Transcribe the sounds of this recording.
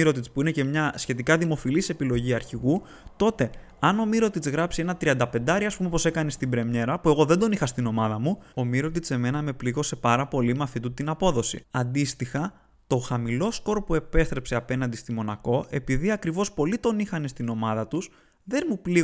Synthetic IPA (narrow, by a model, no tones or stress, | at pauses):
iɾo̞t̪it͡spuinece̞mɲɐsçe̞t̪ikɐðimo̞filise̞pilo̞ʝiɐɾçiɣu | t̪o̞t̪e̞ | ɐno̞miɾo̞t̪it͡sɣɾɐpsie̞nɐt̪ɾiɐnd̪ɐpend̪ɐɾiɐspumepose̞kɐnest̪ibɾe̞mɲe̞ɾɐpue̞ɣo̞ðe̞nd̪onixɐst̪ino̞mɐðɐmuo̞miɾo̞t̪̬it͡se̞me̞nɐme̞pliɣo̞se̞pɐɾɐpo̞limɐfit̪ut̪ːinɐpo̞ðo̞sḭɐnd̪ist̪ixɐ | t̪o̞xɐmilo̞sko̞ɾpue̞pe̞st̪ɾe̞pse̞ɐpe̞nɐnd̪ist̪imo̞nɐko̞ʔe̞piðiɐkɾivo̞spo̞lit̪o̞nixɐne̞st̪ino̞mɐðɐt̪us | ðe̞nmupli